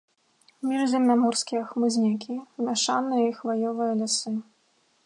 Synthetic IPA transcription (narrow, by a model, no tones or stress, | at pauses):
mʲiʐzʲɛmnamɔrskʲiɐxmɨzʲnʲakʲimʲaʂanɨjɐixvajɔvɨjɐlʲasɨ